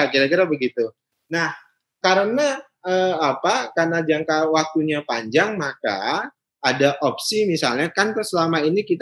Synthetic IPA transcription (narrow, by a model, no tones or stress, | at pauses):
akiɾakiɾabəɡit̪u | nah | kaɾəna | əːapakanad͡ʒaŋkawak̚t̪uɲapaɲd͡ʒaŋmaka̰ː | daʔop̚simisalɲakant̪əsəlamainikit̪